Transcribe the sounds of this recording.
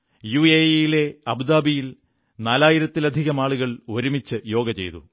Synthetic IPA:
juːejile̞ɐbd̪aːbijil | naːlaːjiɾɐt̪ːilɐd̪ʱiɣɐmaːɭuɣɐɭo̞ɾumit͡ɕːɨjo̞ːɡɐt͡ɕe̞̰jt̪ṵ

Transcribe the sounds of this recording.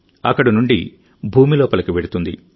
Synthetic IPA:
ɐ̰kːɐɽɐnuɳɖḭ | bʱuːmilɔːpɐlɐkiʋeɽut̪und̪ḭ

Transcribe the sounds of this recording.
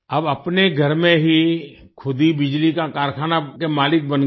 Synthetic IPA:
ɐbɐpneɡʱɐɾmẽɦi | kʰʊd̪ibɪd͡ʒlikakaːɾkʰaːnakemaːlɪk̚bən

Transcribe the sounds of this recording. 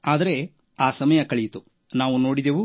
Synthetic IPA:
aːd̪ɐɾe̞ | aːsɐmɐjɐkɐɭijt̪u | naːʋuno̞ːɽid̪eʋu

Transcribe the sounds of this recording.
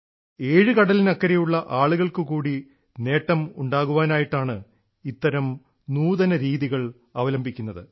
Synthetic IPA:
e̞ːɻɨkɐɽɐlinɐkːɐɾejuɭːɐʔaːɭuɣɐɭkɨkuːɽi | ne̞ːʈːɐmuɳɖaːɣuʋaːnaːjiʈːaːɳɨ | it̪ːɐɾɐm | nuːðɐnɐɾiːðiɣɐɭ | ɐʋɐlɐmbʱikʲːunːɐðɨ̰

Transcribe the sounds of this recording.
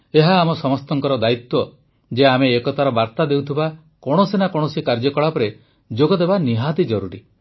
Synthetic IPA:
eɦaːmɔsɔmɔst̪ɔŋkɔɾɔd̪ait̪wɔ | d͡ʒeameːkɔt̪ʰaɾɔbaɾt̪ad̪ewt̪ʰiba | kɔɽ̃ɔsenakɔɽ̃ɔsikaɾd͡ʒɔkɔɭapɔɾe | d͡ʒoɡɔd̪ebaniɦad̪id͡ʒɔɾuɾi

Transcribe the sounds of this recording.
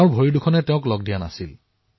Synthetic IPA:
ʊɹbʱojidukʰɔnɛtɛʊ̃klɔɡ̚dijana̰sil

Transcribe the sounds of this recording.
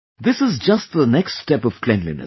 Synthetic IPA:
d̪ɪsɨzd͡ʒʌst̚ðənɛksstɛpɔv̥klɛ̃nlḭnə̰

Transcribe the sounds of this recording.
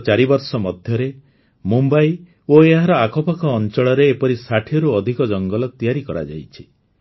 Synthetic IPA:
t͡ʃaɾibɔɾsɔmɔd̪ʱjɔɾe | mumbaj | oeɦaɾɔakɔpakɔːnt͡ʃɔɭɔɾeːpɔɾisaʈʰiɔɾuɔd̪ʱikɔd͡ʒɔŋɡɔlɔt̪ijaɾikɔɾa̰d͡ʒa̰jt͡ʃʰi̥

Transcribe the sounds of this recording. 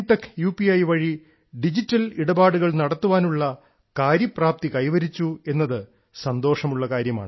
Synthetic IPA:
ʈːɐkːjuːpiɐjʋɐɻi | ɖid͡ʑitːɐliɽɐbaːɽuɣɐɭnɐɽɐt̪ːuʋaːnuɭːɐ | kaːɾjɐpraːp̚t̪ikɐjʋɐɾit͡ɕːue̞nːɐðɨ | sɐnd̪o̞ːʂɐmuɭːɐkaːɾjɐma̰ːɳɨ

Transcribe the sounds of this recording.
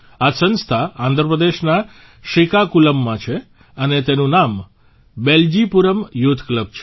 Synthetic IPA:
asə̃nst̪ʰaãnd̪ʱɾəpɾəd̪eʃna | ʃikakuləmːãt͡ʃʰe | ənet̪enũnam | beld͡ʒipuɾəmjut̪ʰːkləb̚t͡ʃʰe

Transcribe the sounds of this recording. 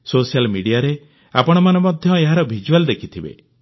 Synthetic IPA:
sosijalmiɽijaɾe | a̰pɔɽ̃ɔmanemɔd̪ʱjɔeɦaɾɔbʱid͡ʒuald̪ekʰit̪ʰibḛ

